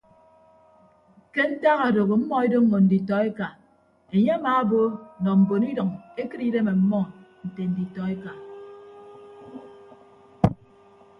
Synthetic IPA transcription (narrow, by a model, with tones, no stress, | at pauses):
ke˦n̩˦ta˦ɣa˨do˨ɣo˨m̩˦mɔ˦e˦do˦ŋ̩˨mo˨n̩˨di˨tɔ˨e˦ka˨ | e˨ɲe˦a˦maː˨˦bo˦˨nɔ˨m̩˨bo˨ni˦dʌ˨ŋe˦kɨ˦ɾi˦ɾe˦me˨m̩˦mɔ˦n̩˨te˨n̩˨di˨tɔ˨e˦ka˨